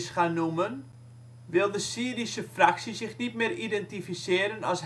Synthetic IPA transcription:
sχanumən | ʋɪlˠdəsiːɾisəfraksisɪxnitmɪridɛntifisɪəɾənɔs

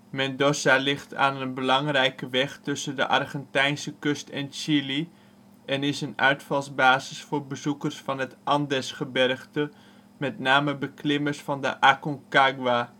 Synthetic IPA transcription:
mɛndɔsalɪχtʰa̰ːnənbəlɑŋrɛjkəʋɛχtɵsəndə̰ʔɑ̰rχɛntɛjnsəkɵstɛnʃili | ʔɛnɪsənœ̰ɥtfɑlˠzbaːzɪsfʊːɹbəzukəɹsfɑnɦətʔɑndɛsχəbɛrχtə | mɛtnaːməbəklɪməɹsfɑndə̰ʔakɔŋkaɡwa

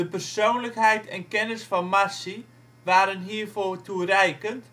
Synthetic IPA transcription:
dəpərsoːnləkɦɛjtɛnkɛnəsfɔnmasi | ʋaːɾənɦiːrfoːtuərɛjkənt

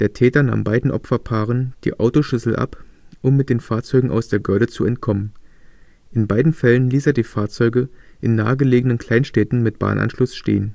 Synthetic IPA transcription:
d̥eːɐtʰɛːtɐna̰ːmbaɪdn̩ʔɔ̰pfɐpʰaːʁ̞ənd̥ḭːʔaʊtoʃʏsl̩ʔa̰pʔʊmːɪt̚d̥eːnfaːɐt͡sɔʏɡŋ̩ʔa̰ʊsd̥eːɐɡʏɐdət͡suɛntkʰɔmən | ʔɪnbaɪdn̩fɛlənliːseːɐdiːfaːɐt͡sɔʏɡəʔɪnːa̰ːəɡəleːɡənənkʰl̥aɪnʃtɛːtn̩mɪt̚b̥a̰ːnʔa̰nʃlʊsʃtḛːən

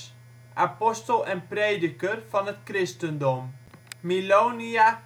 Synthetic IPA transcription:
ʔapɔstəlˠɛnpreːdəkərfɔnətkrɪstəndɔmmiloːnia

